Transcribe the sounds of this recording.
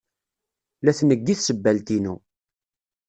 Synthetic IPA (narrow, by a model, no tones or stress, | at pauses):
læθnəɡːiθsəbːælt̪inṵ